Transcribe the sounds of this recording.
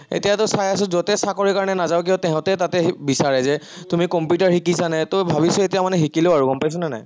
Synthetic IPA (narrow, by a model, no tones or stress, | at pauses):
ḛtijatʊsajas̬ʊzɔtɛsakɔɹikaɹɔnɛnazawk̬iɔtɛɦɔ̃tɛtatɛbisaɹɛzɛ | tumikɔmpjutaɹhikisanɛtʊbʱabisɔetijamanɛxikileʊaɹukɔmpajs̬ɔnana̰j